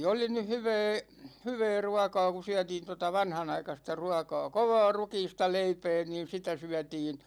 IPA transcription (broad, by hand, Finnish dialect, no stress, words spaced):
oli nyh hyʋɛː hyʋɛː ruɑkɑː ku syætiːn totɑ ʋɑnhɑnɑikɑstɑ ruɑkɑː koʋɑː rukiːstɑ leipɛː niːn̞ sitæ syætiːn